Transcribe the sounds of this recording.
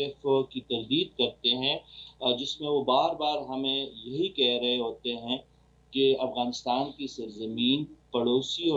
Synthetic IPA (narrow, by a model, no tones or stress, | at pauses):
ɪfkit̪ɐɾd̪iːd̪̚kɐɾt̪eɦɛ̃d͡ʒɪsmẽʋobaːɾbaːɾɦɐmẽjɐɦikɛɦɾɐɦeɦoːt̪eɦɛ̃ | keɐfɣaːnɪst̪aːnkisɐɾzɐmiːnpɐɽoːsiɔ